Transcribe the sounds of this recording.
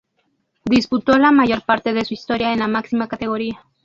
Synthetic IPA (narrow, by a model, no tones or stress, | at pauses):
d̪isput̪olamaʝo̞ɾpaɾt̪eðesuist̪oɾjaenlamaksimakat̪eɣoɾia